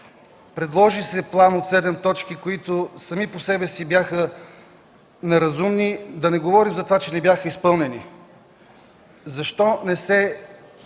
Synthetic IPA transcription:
pɾɛd̪lˠɔʒisɛplˠanot̪sɛd̪ɛmt̪ɔt͡ʃkikoit̪osɐmiposɛbɛsibjaxə | nɛɾɐzumnid̪ɐnɛɡovɔɾimzɐt̪ovat͡ʃɛnɛbʲjaxəispɤlˠnɛni | zɐʃt̪ɔnɛsɛ

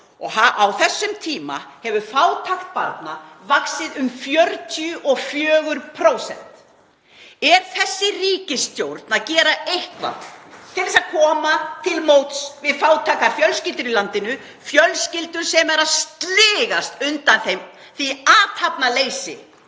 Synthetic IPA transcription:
ɔɣhaawθɛsːʏmt̪ʰiːma̰hɛvʏfaːwt̪ʰaxt̪̚paɾt̪navaksɪðʏmfjœɾt̪ʰijʏʔɔfjœːɣʏɾpʰɾoːwsɛ̰n̥t̪ | ɛɾ̥θɛsːɪriːcɪst̪jowɾt̪naðcɛːɾaejhkva̰t̪ʰɪlɛsaðkʰɔːmat̪ʰɪlmowt̪svɪðfaːwt̪ʰakafjœlscɪlt̪ɾilant̪ɪnʏ | fjœlscɪlt̪ʏɾ̥sɛmɛɾaðst̪lɪːɣast̪ʏnt̪anθejm | θiaːt̪ʰhapnaleːjsɪ̰

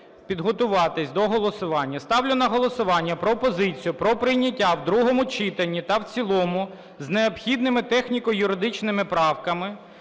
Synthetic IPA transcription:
pʲid̪ɦɔt̪ʊʋɑt̪ɪsʲd̪ɔɦɔlˠɔsʊʋɑnʲːɐst̪ɑwlʲʊnɐɦɔlˠɔsʊʋɑnʲːɐpɾɔpɔzɪt͡sʲijʊpɾɔpɾɪjnʲɐtʲːawd̪ɾuɦɔmʊt͡ʃit̪ɐnʲːit̪ɐwt͡sʲilˠɔmʊ | zneɔpxʲid̪nɪmɪt̪ɛxnʲikɔjʊɾɪd̪ɪt͡ʃnɪmɪpɾɑwkɐmɪ

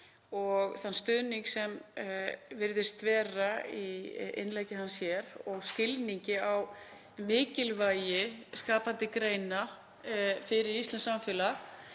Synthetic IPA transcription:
ɔɣθanːst̪ʏðniŋksɛm | vɪɾðɪst̪vɛːraiɪ̰nlejcɪhanːsjɛɾɔɣscɪlniɲcɪaw | mɪːcɪlvajɪskaːpant̪ɪkɾejna | fɪɾɪɾist̪ansamfɪːla

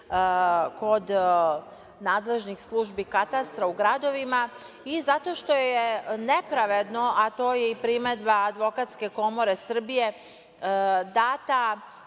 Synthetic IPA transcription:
ko̞d̪ | naːd̪le̞ʒnixslˠuʒbikat̪ast̪ɾauɡɾad̪o̞ʋima | izat̪o̞ʃt̪o̞jjene̞pɾaʋe̞d̪no̞ʔat̪o̞ːjeipɾimed̪baːd̪ʋo̞kat̪ske̞ko̞mo̞ɾe̞sr̩bije̞ | d̪aːt̪a

